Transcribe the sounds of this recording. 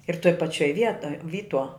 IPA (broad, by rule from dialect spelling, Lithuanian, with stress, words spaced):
ɪr toːj pɐˈt͡ʃʲoːj ˈʋʲiɛtoːj ˈʋʲiːtuɔ